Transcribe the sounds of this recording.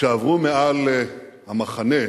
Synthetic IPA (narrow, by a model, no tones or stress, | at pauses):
eavʁumealhamaχane